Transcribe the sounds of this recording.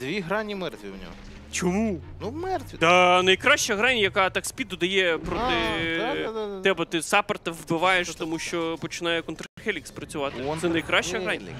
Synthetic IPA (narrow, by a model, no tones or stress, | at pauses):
d̪̥ʋʲiɦɾɑnʲimɛrt̪ʲʋʲḭwnʲɔ̰ɦ | t͡ʃɔmunuwmɛrt̪ʋʲid̪ɐnɐjkɾɑʃt͡ʃɐɦɾɑnʲjɐkɑt̪ɑksʲpʲid̪ɔd̪ɐjɛpɾɔt̪ɪ | t̪ɛbɐt̪ɪsɑpɐrt̪ɐʋbɪʋɑjeʃt̪ɔmuʃt͡ʃɔpɔt͡ʃɪnɑjɛkɔnt̪ɾxɛlʲikspɾɐt͡sʲʊʋɑt̪ɪsɛnɐjkɾɑʃt͡ʃɐɦɾɑnʲ